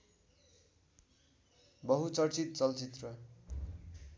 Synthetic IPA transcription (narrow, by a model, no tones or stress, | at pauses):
bʌɦut͡sʌrt͡sit̪̚t͡sʌlt͡sit̪rʌ